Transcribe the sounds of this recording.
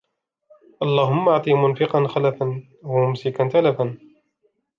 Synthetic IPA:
ʔɑlˤːɑːɦʊmːaʕt̪ˤimʊnfɪqɑnxalafan | wamʊmsɪkant̪alaban

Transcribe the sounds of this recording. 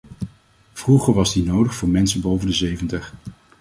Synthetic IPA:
v̥ruχəɹʋɑzdinowdəχfʊːɹmɛnsənbowvəndəzejvəntəχ

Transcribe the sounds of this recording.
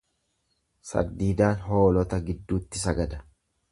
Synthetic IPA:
sɐ̰ɾd̪iːd̪aːnɦo̞ːlɔt̪ɐɡɪd̪ːuːt̪ːɪsɐɡɐd̪ɐ̥

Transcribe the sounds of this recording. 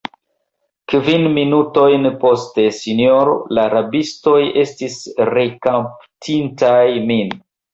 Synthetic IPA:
kvinminuto̞jnpo̞ste̞sinjoɾo̰laːɾabisto̞je̞stisɾe̞kamptʰintajmin

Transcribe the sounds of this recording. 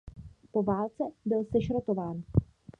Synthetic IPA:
po̞vaːlt͡sɛbɪlsɛʃɾot̪o̞vaːn

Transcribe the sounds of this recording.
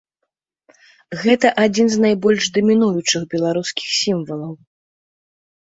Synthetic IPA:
ɣɛt̪ɐʔad͡zʲinznajbɔlʲʂd̪ɐmʲinujut͡ʂɨxbʲɛlˠaɾuskʲi̥xsʲimvɐlˠɐw

